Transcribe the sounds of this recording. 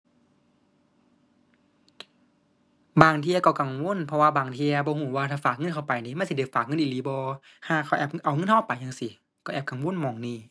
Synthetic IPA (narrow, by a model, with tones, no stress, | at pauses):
baː˨˩ŋt̪ʰi˧ɐkɔ˧˩ka˨˩ŋwo˧˥˨npʰɔ˧waː˧baː˨˩ŋt̪ʰi˧ɐ˧bɔː˧huː˧˩˦waː˧t̪ʰaː˧˩faː˨˩k̚ŋɤ˧˥˨nkʰa˧˩wpa˨˩jniː˧˦ma˧˥˨si˧a˧˩faː˨˩k̚ŋɤ˧˨ʔi˨liː˨˦bɔː˧ | haː˧˩kʰa˧˩wʔɛː˧˩pʔa˨˩wŋɤ˧˥˨nhɔː˧˥˨pːa˨jɲaː˧˨ŋsi˧˦ | kɔ˧˩ʔɛː˧˩p̚ka˨˩ŋwo˧˥˨nmɔː˨˩ŋniː˧˩